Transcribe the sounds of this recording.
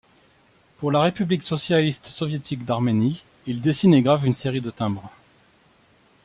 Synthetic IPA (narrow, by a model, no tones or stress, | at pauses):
puʁlaʁepybliksɔsjalist̪sɔvjet̪ʰikd̪aʁmeni | ild̪esineɡʁavynseʁid̪ət̪ɛ̃bʁ